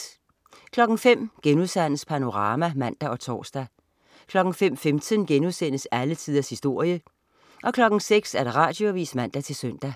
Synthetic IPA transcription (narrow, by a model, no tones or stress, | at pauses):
kʰlɒ̽ɡ̥ŋ̩fem̰ɡ̥enuðˠsæn̰əspʰæno̝ʁɑ̈ːmæmæn̰d̥æɒ̽t͡sʰɒ̰ːsd̥æ | kʰlɒ̽ɡ̥ŋ̩fem̰femt͡sʰənɡ̥enuðˠsen̰əsælət͡sʰiðˠɐshisd̥o̝ɐ̰jə | ʔɒ̽kʰlɒ̽ɡ̥ŋ̩seɡ̥sæɐɾ̥eʁɑ̈ːd̥jo̝ʋiːsmæn̰d̥æt͡sʰe̝lsøn̰d̥æ